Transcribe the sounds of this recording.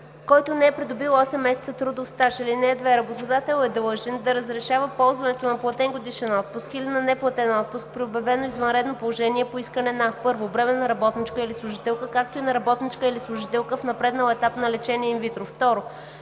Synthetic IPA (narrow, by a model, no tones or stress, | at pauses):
kɔjt̪ʊnɛɛpɾid̪ʊbilˠɔsɛmːɛsɛt̪sət̪ɾud̪ofst̪aʃəlinɛd̪vɛɾɐbot̪od̪at̪ɛlˠɛd̪ɤlˠʒɛnd̪ɐɾəzɾɛʃavəpɔlˠzvɐnɛt̪onɐplˠɐt̪ɛŋɡod̪iʃɛnɔt̪̚pʊskilinɐnɛplˠɐt̪ɛnɔt̪̚pʊsk̚pɾiobjɐvɛnoizvɐnɾɛd̪nopolˠoʒɛniɛpoiskənɛnɐpɤɾvobɾɛmɛnɐɾɐbɔt̪nit͡ʃkəilislˠʊʒit̪ɛlˠkəkak̚t̪oinɐɾɐbɔt̪nit͡ʃkəilislˠʊʒit̪ɛlˠkəfnɐpɾɛd̪nəlˠɛt̪apnɐlɛt͡ʃɛniɛimvit̪ɾoft̪ɔɾo